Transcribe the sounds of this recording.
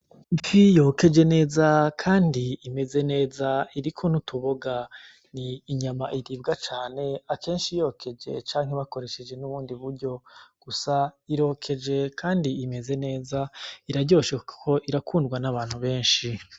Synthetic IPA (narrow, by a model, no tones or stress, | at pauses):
mfijo̞ːke̞d͡ʒe̞ne̞ːzakʰaːndiːme̞ze̞ne̞ːzaiɾikʰo̞nutʰuβoɡa | niːɲamaʔiɾiːbɡat͡ʃaːne̞akʰe̞ːnʃijo̞ːkʰe̞d͡ʒe̞̰t͡ʃaːŋ̥ɦe̞βako̞ɾe̞ʃe̞d͡ʒe̞nuβuːndiβuɾɟo̞ɡ̥usaiɾo̞ːkʰe̞d͡ʒe̞kʰaːndiːme̞ze̞ne̞ːzaiɾaɟo̞ːʃekʰo̞ʔiɾakʰuːndɡwanaβaːn̥huβe̞ːnʃi